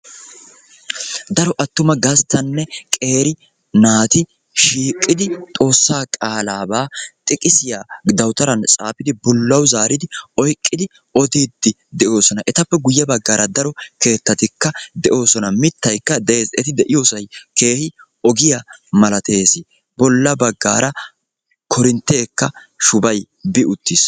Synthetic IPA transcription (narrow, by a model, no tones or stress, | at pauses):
d̪ɐɾɔʔɐt̪ːʊmɐɡɐst̪ːɐnːɛkʼe̞ːɾɪ | naːt̪ɪ | ʃiːkʼːɪd̪ɪt̪ʼo̞ːsːaːkʼaːlaːbaːt̪ʼɪkʼɪsɪjaːd̪ɐwt̪ɐɾɐnt͡sʼa̰ːpɪd̪ɪbʊlːɐwzaːɾɪd̪ɪɔjkʼːɪd̪ɪ | ɔd̪iːd̪ːɪ | d̪ɛʔo̞ːsɔnɐʔɛt̪ɐpːɛɡʊjːɐbɐɡːaːɾɐd̪ɐɾɔke̞ːt̪ːɐt̪ɪkːɐd̪ɛʔo̞ːsɔnɐmɪt̪ːɐjkːɐd̪ɛʔe̞ːzɛt̪ɪd̪ɛʔɪjo̞ːsɐjke̞ːhɪ | ɔɡɪjamɐlɐt̪ʰe̞ːsɪ | bɔlːɐbɐɡːa̰ːɾɐ | kʰɔɾɪnt̪ːe̞ːkːɐ | ʃʊbɐj | bɪʔʊt̪ːiːs